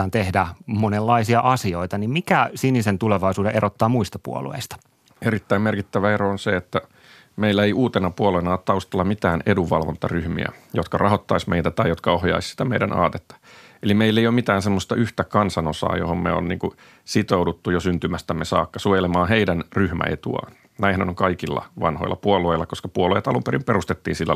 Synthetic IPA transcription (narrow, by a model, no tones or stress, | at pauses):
ɑːnt̪ehdæmonelːɑisiɑʔɑsioit̪ɑnimmikæsinisent̪uleʋɑisuːdeʔeɾʔot̪ːɑːmuist̪ɑpṵo̰lṵḛist̪ɑ̥ | eɾit̪ːæimmerkit̪ːæʋæeɾoonseet̪ːæ | meilːæeiʔuːt̪enɑpuolenɑːt̪t̪ɑust̪ɑlːɑmit̪æːneduʋɑlʋont̪ɑryhmḭæ̰jot̪kɑrʔɑhot̪ːɑismeit̪æt̪ɑijot̪kɑohjɑ̰issi̥t̪æmeidæ̰nɑ̰ːt̪et̪ːɑ̥elimeilːeijomit̪æːnsemːost̪ɑʔyht̪ækɑnsɑnosɑ̰ːjohommḛo̰nniːŋku | sit̪oudut̪ːujosynt̪ymæst̪æmːesɑ̰ːkːɑsujelemɑːɦeidænryhmæ̰et̪ṵɑ̰ːn | næihænonoŋkɑikilːɑ̰ʋɑ̰nho̰ilːɑ̰puolueilːɑkoskɑpuoluojɑt̪ɑlumpeɾimperust̪et̪ːiːnsilːæ